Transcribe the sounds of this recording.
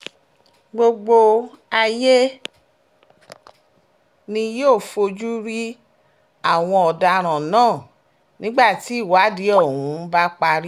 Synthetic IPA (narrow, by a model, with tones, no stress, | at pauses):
ɡ͡bo˧ɡ͡bo˧ | a˧je˦ | nĩ˧joː˦˨fo˧d͡ʒu˦ɾi˦ | a˦˨w̃ɔ̃˧ɔ˨da˧ɾ̃ã˨nãː˦˨ | nĩ˦ɡ͡ba˦˨ti˨˦i˦˨wa˨˦di˨˦ɔ˦˨hũ˨˦ba˦k͡pa˧ɾi˦